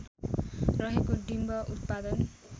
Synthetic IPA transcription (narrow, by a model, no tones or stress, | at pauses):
rʌɦekoɖimbʌʔut̪̚pad̪ʌn